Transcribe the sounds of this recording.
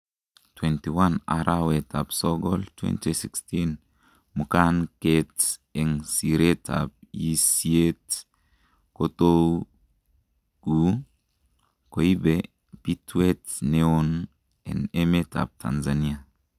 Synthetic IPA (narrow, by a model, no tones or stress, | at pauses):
twɛntiwana̰ɾʔawetapsɔɡɔltʰwɛ̰ntisikstin | mukanketɛŋsiɾetʰa̰p̚isiet | koto | ɡ̥u | koibe | pitwetneon | ɛ̰nemetʰa̰p̚tʰa̰nzania